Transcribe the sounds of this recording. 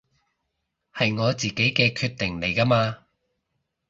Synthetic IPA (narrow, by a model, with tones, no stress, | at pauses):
hɐ˨jŋɔː˨˧t͡siː˨ke˨˥jkɛː˧kʰyː˧t̪̚ɪ˨˩ŋle˨˩jkɐ˥maː˧